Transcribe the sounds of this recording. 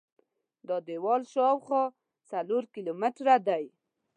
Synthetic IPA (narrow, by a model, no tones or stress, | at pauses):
d̪ɑd̪ewɑlʃɑwχɔ | t͡saloɾkilomɪʈɾad̪aj